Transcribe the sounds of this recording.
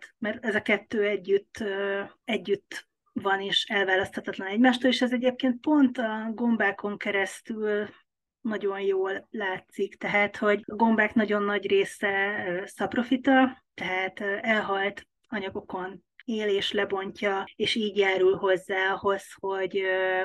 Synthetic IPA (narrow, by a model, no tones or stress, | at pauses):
mɛrt̪ɛzɒkɛt̪ːøːɛɟːyt̪ːøɛɟːyt̪ː | vɒneːʃɛlvaːlɒst̪hɒt̪ɒt̪lɒnɛɟmaːʃt̪oːleːʃɛzɛɟeːp̚keːnt̪̚po̞nt̪ɒɡo̞mbaːko̞ŋkɛɾɛst̪yl | nɒɟo̞njoːlːaːt̪sikt̪ɛɦaːt̪ho̞ɟɒɡo̞mbaːknɒɟo̞nːɒɟreːsɛøːsɒpro̞fit̪ɒt̪ɛɦaːt̪ːɛlɦɒlt̪ | ɒɲɒɡo̞ko̞n | eːleːʃlɛbo̞ɲcɒeːʃiːɟjaːɾulɦo̞zːaːɒho̞sho̞ɟø